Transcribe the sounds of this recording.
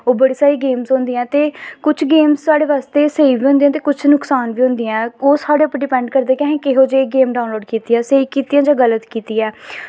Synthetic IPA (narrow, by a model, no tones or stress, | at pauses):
oːbəɽiːsaːiːɡeːmzʊ̃ːnd̪iɛ̃ːt̪eːkʊt͡ʃʰɡeːmzsaːɽeːʋaːst̪eːseːiːʋiːɦʊ̃nd̪ĩɛ̃ːt̪eːkʊt͡ʃʰnʊksaːnʋiːɦʊ̃nd̪iɛ̃ːoːsaːɽeːəpɖɪpɛ̃ːɳɖkəɾd̪eːkɛ̃ːɦɛ̃ːkɪɦoːd͡ʒeɡeːmɖaːʊ̃nloːɖkiːt̪iɛ̃ːsəiːkiːt̪iːãːd͡ʒãːɡələt̪kiːt̪iːɛː